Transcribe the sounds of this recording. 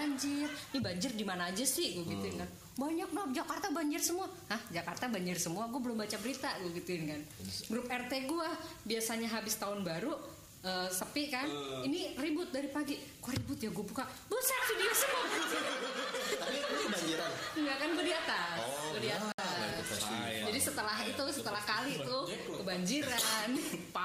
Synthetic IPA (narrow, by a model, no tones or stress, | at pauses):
aɲd͡ʒɪrnibaɲd͡ʒɪrdimanaːd͡ʒasɪhɡoɡit̪uɪnkan | baɲak̚nap̚d͡ʒakart̪abaɲd͡ʒɪrsəmuahahd͡ʒakart̪abaɲd͡ʒɪrsəmuaɡuabəlʊmbat͡ʃabəɾit̪aɡuɡit̪uɪnkanɡɾʊp̚ɛrt̪eɡuabiasaɲaɦabɪst̪aʊnbaɾu | əːsəpɪʔkaniniribʊt̪̚daɾipaɡikoɾibʊt̪jaɡuapukaʔbəsatfidiasəmua | ŋɡakanbədiat̪akədiat̪aa | d͡ʒadisət̪əlaɦit̪usət̪əlahkalit̪ʊ | kkəbaɲd͡ʒiɾanpa